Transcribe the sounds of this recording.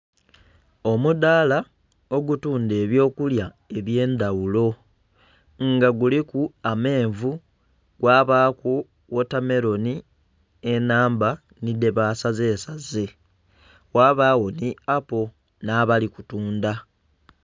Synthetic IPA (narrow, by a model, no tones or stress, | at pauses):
o̞mudaːla | o̞ɡutuːnde̞ːβjo̞ːkulja | e̞βje̞ːndawulo̞ | ŋɡaɡulikuame̞ːɱvu | ɡ̥waːβaːku | wotame̞ɾo̞ni | e̞naːmba | nide̞βaːsaze̞ːsaze̞ | waːβaːwo̞niapo̞ | naːβaliku̥tuːnda